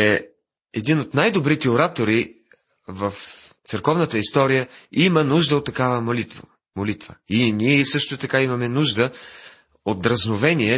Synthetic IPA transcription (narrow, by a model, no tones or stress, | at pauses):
ɛ | ɛd̪inot̪najd̪obɾit̪ɛoɾat̪oɾi | vəf | t̪sɛɾkɔvnət̪əist̪ɔɾijəimənuʒd̪əot̪ːɐkavəmolit̪v̰ | molit̪vəiniɛsɤʃt̪ot̪ɐkaimɐmɛnuʒd̪ə | ot̪̚d̪ɾɐznovɛniɛ